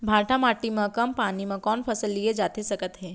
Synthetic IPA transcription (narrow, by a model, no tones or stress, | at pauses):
bʱãːʈʰamaːʈimə̃kəmpanimə̃kɔːnpʰəsəlːijed͡ʒat̪esəkət̪ɦeː